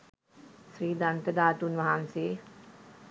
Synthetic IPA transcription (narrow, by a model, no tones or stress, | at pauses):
sriːd̪ant̪əd̪aːʈunʋaɦanseː